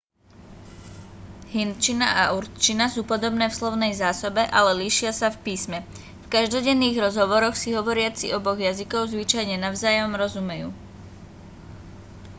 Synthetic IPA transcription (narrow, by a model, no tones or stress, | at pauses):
ɦint͡ʃinaʔaʔuɾt͡ʃinasuːpɔd̪ɔbnɛːfslɔʊnɛjzaːsɔbɛʔalɛliʃɪasafpiːsmɛ | fkaʒd̪ɔɟɛnːiːɣɾɔzɦɔʋɔɾɔxsiɦɔʋɔɾɪat͡sḭʔɔbɔɣjazikɔʊzʋit͡ʃajɲɛnaʊzaːjɔmɾɔzumɛjṵː